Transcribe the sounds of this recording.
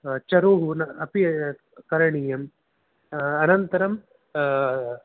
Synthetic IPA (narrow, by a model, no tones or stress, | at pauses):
t͡ʃɐɾoːɦunɐɐpi | kɐɾɐɳijɐm | ɐnɐnt̪ɐɾɐm